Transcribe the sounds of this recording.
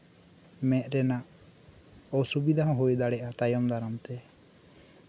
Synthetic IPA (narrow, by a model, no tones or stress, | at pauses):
mɛt̪̚ˀɾɛnaʔ | ɔsubid̪ʱaɦɔ̃ɦujd̪aɽɛʔat̪ajɔmd̪ʱaɾamt̪ɛ